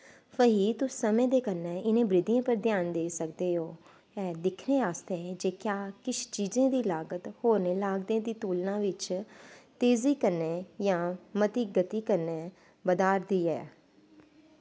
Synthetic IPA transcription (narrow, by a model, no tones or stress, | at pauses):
pəɦiːt̪ʊsːəmẽːd̪eːkəɾneːɪnẽːbɾɪd̪ijãːpəɾd̪ʱjaːnd̪eːsəkd̪eːɦoː | ɛːd̪ɪkʰneːaːst̪eːd͡ʒeːkjaːkɪt͡ʃʰt͡ʃiːzẽːd̪iːlaːɡət̪hoːɾneːlaːɡd̪ẽːd̪iːt̪uːlnãːʋɪt͡ʃt̪eːziːkəɾneːjãːmət̪iːɡət̪iːkəɾneː | bəd̪aːɾd̪iːɛ̰ː